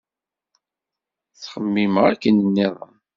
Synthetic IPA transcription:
θχəmːimʁækːənənːiðˤə̰m

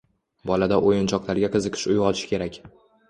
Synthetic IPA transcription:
bɒlad̪aʔojɪnt͡ʃʰɒqlˠaɾɡʲaqʰɨzɨqʰɪ̥ʃʊjʁɒlʰɪ̥ʃkʲʰe̞ɾakʲ

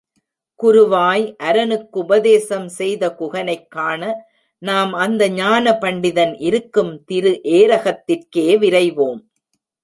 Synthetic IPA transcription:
kʊɾɯʋaːjʔɐɾɐnɯkːʊbɐðeːsɐmsɛjðɐkʊɣɐnɐɪkːaːnɐ | naːmɐnd̪ɐɲaːnɐpɐɳɖɪðɐnʔɪɾɯkːɯmt̪ɪɾɯʔeːɾɐɣɐt̪ːɪrkeːʋɪɾɐɪʋoːm

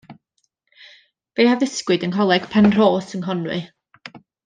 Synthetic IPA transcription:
b̥ehavðɪskwɨdənɦɔlˠɛɡ̥pʰɛnr̥oːsənɦɔnwɨ̰

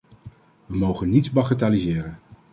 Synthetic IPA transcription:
ʋəmowχənːitsbɑχətaːlizɪːrən

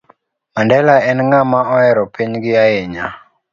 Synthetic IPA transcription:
mandɛlaɛnŋamaɔɛɾɔpiɲɡɪaɛɲa

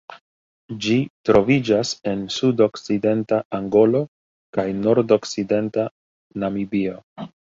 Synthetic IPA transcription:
d͡ʒitɾo̞vid͡ʒase̞nsudo̞kside̞ntaʔaŋɡo̞lo̞ | kajno̞ɾdo̞kside̞nta | namibio̞

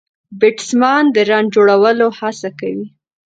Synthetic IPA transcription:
bɪʈsmɑnd̪əɾɑɳd͡ʒoɽawəlohasakawi

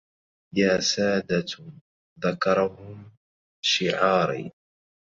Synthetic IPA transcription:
jaːsaːd̪a | ðakɑɾˤɑhʊm | ʃɪʕɑːɾḭ

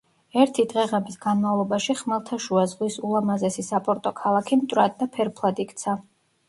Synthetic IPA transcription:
ɛɾt̪ʰid̪ʁɛʁɛmisɡanmavlˠɔbaʃiχmalˠt̪ʰaʃuazʁwisulˠamazɛsisapʼɔɾt̪ʼɔkʰalˠakʰimt̪ʼɾad̪d̪ːapʰɛɾpʰlˠad̪ikʼʰt̪sʰa

